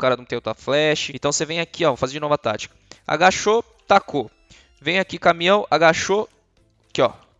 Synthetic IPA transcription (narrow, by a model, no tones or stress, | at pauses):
kaɾɐnɐ̃t̪ẽj̃ot̪ɾɐflɛʃɪẽt̪ɐ̃w̃sevẽj̃akiɔvofazẽd͡ʒɪnɔvɐt̪a̰t͡ʃi̥kɐ̥a̰ɡaʃo | t̪akʰo | vẽj̃akikamĩɐ̃w̃aɡaʃo | kɪɔ̰